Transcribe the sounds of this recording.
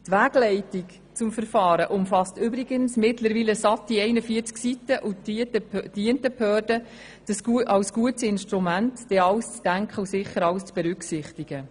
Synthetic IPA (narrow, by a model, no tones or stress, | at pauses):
t̪ʋæːɡ̥lɛɪtik | t͡sʊmfəɾfɑːɾəʔʊmfɑstʏbɾiɡənsmɪtləɾʋiːləsɑtːiɛɪnəfiəɾt͡sksitəʔu | d̥iəntəphøːɾdə | d̥əsʔɑwsɡ̥uətsɪnʃtɾumæntd̥ɛɑwst͡sd̥æŋkχəusɪχːəɾɑwst͡sb̥ɛɾʏksɪχtiɡ̥ə